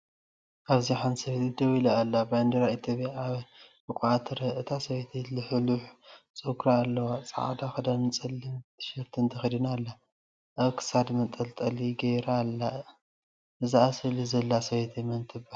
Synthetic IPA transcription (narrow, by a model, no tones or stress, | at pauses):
ʔaβziħansɐβet̪ʰid̪ɐwilaːlːabajnd̪ɐɾait̪ʰjopʼjaaβbɨkʷʼʕat̪ʰɾɐʔɨt̪ʰasɐβet̪ʰilɨħɨluħ | t͡sʼokɾaːlːɐwat͡sʼa̰ʕa̰d̪axɐd̪amɨt͡sʼɐlːit̪ʰʃɐɾt̪ʰɨnt̪ʰɐxid̪inalːa | ʔaβkʰɨ̥sad̪mɐt̪ʼɐlt̪ʼɐliɡɐjɾalːa | ʔɨzɨasɨlizɐlːasɐβet̪ʰimɐnt̪ʰɨba